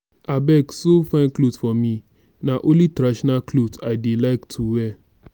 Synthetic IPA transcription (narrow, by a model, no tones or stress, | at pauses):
abɛksofãnklotfɔmĩ | nãʔolitɾaʃɔnaklotaɪdelaɪktʰuwɛ